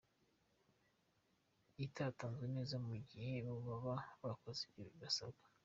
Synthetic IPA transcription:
itataːnzene̞ːzamuɟihe̞βuβaβaβakoziɟiɾuɡasaβḁ

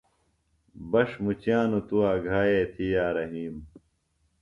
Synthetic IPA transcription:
bɐʂmut͡ɕjaːnut̪uaːɡʱaːjeːt̪ʰijaːɾɐɦiːm

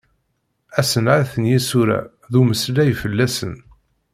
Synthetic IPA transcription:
æsənʕaθənjisuɾæ̰ | ðuməslæjfəlːæsən

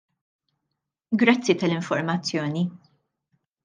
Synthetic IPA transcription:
ɡɾɐt͡sːit̪ɐlɪɱfɔɾmɐt͡sːjɔːni

